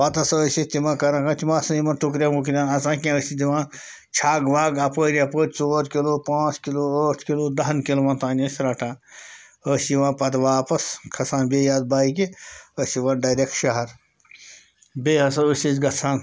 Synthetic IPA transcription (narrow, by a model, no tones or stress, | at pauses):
ʋɐt̪ɐsɐəːsit̪imãːkɐɾãkãt̪imãːsɐ̃jimɐnʈukɾʲãːmukɾʲãːnɐsãːkʲãəsid̪iʋãː | t͡ʃʰaːɡʋaːɡɐpəːɾʲapəːɾʲt͡soːɾkiloːpãːt͡skiloːəːʈʰkiloːd̪ɐɦɐnkilomãnt̪aːnʲɐsʲɾɐʈʰãː | əːsiʋãːpɐt̪ʋaːpɐskʰɐsãːnbeːjaːd̪̚baːik̬iəːsiʋãːnɖɐːjɾʲek̚ʈʃɐɦɐɾ | bʲeːɦɐsɐəsʲit͡ʃɡɐt͡sʰãːn